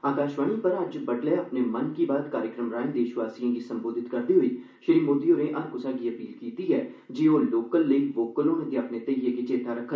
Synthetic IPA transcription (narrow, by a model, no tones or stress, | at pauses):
aːkaːʃʋaːniːpəɾəd͡ʒbəɖleːəpneːmənkiːbaːt̪kaːɾjəkɾəmɾãːnd̪eːʃʋaːsiːãːɡiːsəmboːd̪ʱɪt̪kəɾd̪iːɦoiː | ʃəɾiːmoːd̪iːoːɾẽːʔəɾkʊsãːɡiːəpiːlkiːt̪iːɛː | d͡ʒeːoːloːkəlːəiʋoːkəloːnẽːt̪eəpneːt̪əijeːkeːt͡ʃeːt̪aːɾəkʰːə